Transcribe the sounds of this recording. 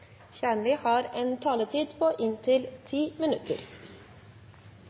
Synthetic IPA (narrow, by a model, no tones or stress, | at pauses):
çæːɳlɪhɑːɾeːnt̪ʰɑːlət̪ʰiːd̪pʰoːʔɪnt̪ʰɪlt̪ʰiːmɪnʉt̪ʰə̰ɾ